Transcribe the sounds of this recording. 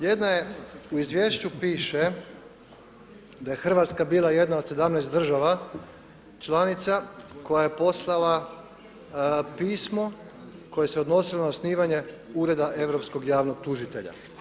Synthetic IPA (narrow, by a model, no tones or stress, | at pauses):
je̞d̪najeuizʋjeːʃt͡ɕupiːʃe | d̪aje̞xr̩ʋat̪skabiːlaje̞d̪naod̪se̞d̪amnɛːst̪d̪r̩ʒaʋa | t͡ʃlˠanit̪sako̞jaje̞po̞slˠala | piːsmo̞ | ko̞je̞se̞od̪no̞silonaosniːʋaɲe̞uːɾe̞d̪aʔe̞ʋɾo̞psko̞ɡjaːʋnoɡ̚t̪uʒit̪e̞ʎa̰